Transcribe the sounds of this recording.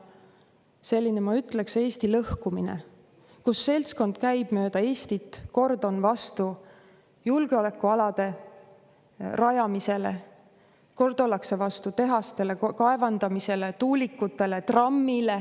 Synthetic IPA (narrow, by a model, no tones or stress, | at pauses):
se̞lʲːinemɑyt̪ːˑle̞kse̞ːst̪ilɤhkuminḛ | kusːe̞lʲt̪sko̞nd̪̥kæjb̥mø̞ːd̪̥ɑe̞ːst̪it̪ːˑko̞rd̪o̞nvɑst̪u | julɡ̥eo̞le̞kːˑuɑlɑd̪̥e̞ | rɑjɑmise̞lḛ | ko̞rd̪olɑkse̞vɑst̪ut̪e̞ɦɑst̪e̞le̞kɑe̞vɑnd̪̥ɑmise̞le̞t̪uːlikːˑut̪ːˑe̞le̞t̪rɑmːile